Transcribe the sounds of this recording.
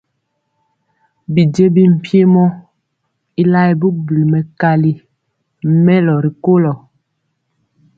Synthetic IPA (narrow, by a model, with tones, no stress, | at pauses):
bi˨d͡ʒe˦bi˦m̩˨pje˦mɔ˦ | i˦la˦ɛ˨bu˦k̚bu˨lmɛ˨ka˦li˨˦ | mɛ˦lɔ˨ɾi˨ko˦lɔ˨